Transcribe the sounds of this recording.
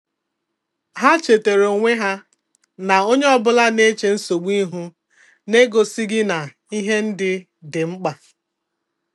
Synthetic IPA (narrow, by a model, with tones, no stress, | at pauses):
ɦa˦t͡ʃe˨te˨ɾo˨ŋʷe˦ɦa˦ | na˨o˦ɲe˦ɔ˨bʊ˦la˦ne˦t͡ʃe˨n̩˦so˨ɡ͡bi˦ɦu˦ | ne˦ɡo˨si˦ɡɪ˦na˨ | i˦ɦe˦n̩˦dɪ˦ | dɪ˨ŋ͡m̩˦k͡pa˨